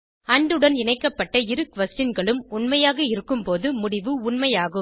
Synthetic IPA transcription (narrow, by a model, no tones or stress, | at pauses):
ɐɳɖɯɽɐnɪnɐɪkːɐpːɐʈːɐɪɾɯkʋɐsʈɪnɡɐɭɯmʊnmɐjaːɣɐɪɾɯkːɯmpoːðɯmʊɽɪʋɯʊɳmɐjaːɣɯm